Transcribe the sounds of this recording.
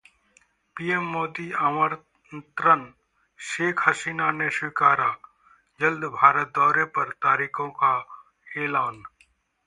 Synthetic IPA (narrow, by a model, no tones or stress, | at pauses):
piːemːoːd̪iaməɾ | nt̪ɾən | ʃeːkʰɦɐsiːnaneʃwɪkaːɾa | d͡ʒɐld̪bʱaːɾət̪̚d̪ɔːɾepɐɾt̪aːɾiːkʰõka | eːlaːn